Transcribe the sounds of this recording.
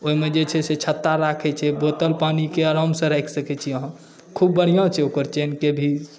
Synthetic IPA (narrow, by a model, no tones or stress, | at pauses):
oimed͡ʒet͡ʃʰɛset͡ʃʰət̪ːaɾakʰɛt͡ʃʰɛbot̪əlpanikeəɾamsə̃ɾɛjkʰsəkɛt͡ʃʰiəɦə̃m | kʰubːəɽ̤ijãt͡ʃʰɛokəɾt͡ʃenkebʱi